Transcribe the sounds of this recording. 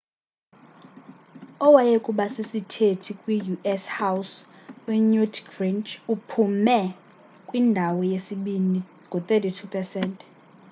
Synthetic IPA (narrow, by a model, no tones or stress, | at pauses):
ɔwajekʼuɓasisitʰetʰikʼwijuʔɛshaws | wɛɲutʰɡrint͡ʃupʰumɛ | kʼwindʱawɔjesiɓini | ŋɡʱut̪ʼɛtʰitʰupʰɛsɛntʰʼ